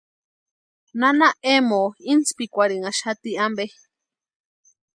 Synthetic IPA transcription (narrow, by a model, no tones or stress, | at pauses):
nanaemoint͡spikʷaɾiŋaʃat̪iambe